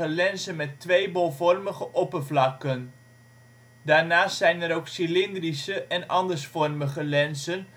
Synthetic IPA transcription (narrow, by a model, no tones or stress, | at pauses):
əlɛnsənmɛtːʋejbɔlˠvɔrməχəʔɔpərvlɑkən | daːɹnaːstsɛjnɛɾowksilɪndrisəʔɛnɑ̰ndəɹsfɔrməχəlɛnsən